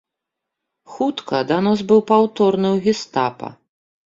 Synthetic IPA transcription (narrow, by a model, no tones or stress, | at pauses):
xut̪kɐd̪anazbɨwpawt̪ɔrnɨwɣʲist̪apɐ̰